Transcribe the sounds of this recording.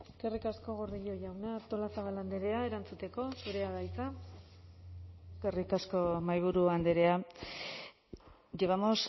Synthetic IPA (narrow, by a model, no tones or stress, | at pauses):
kerikasko̞ɣ̞oɾðiʎo̞ʝawnat̪o̞lasaβaland̪eɾe̞ae̞ɾant͡sut̪e̞ko̞suɾe̞aðajt͡sa | kerikasko̞majβ̞uɾuand̪eɾe̞a | ʝeβamos